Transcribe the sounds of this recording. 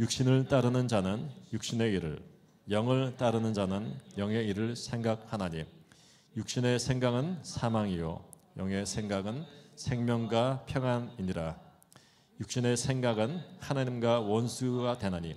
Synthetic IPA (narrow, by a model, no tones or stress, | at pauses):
juk̚ɕ͈inɯɭt͈aɾɯnɯnd͡ʑanɯnjuk̚ɕ͈ine̞iɾɯ̰ɭ | jʌŋɯɭt͈aɾɯnɯnd͡ʑanɯnjʌŋe̞iɾɯɭsʰe̞ŋɡak̚hanaɲim | juk̚ɕ͈ine̞sʰe̞ŋɡaɡɯnsʰamaŋijo̰ | jʌŋe̞sʰe̞ŋɡaɡɯnsʰe̞ŋmjʌŋɡwapʰjʌŋaniɲiɾa | juk̚ɕ͈ine̞sʰe̞ŋɡaɡɯnhanaɲimɡwawʌnsʰuɡatwe̞naɲḭ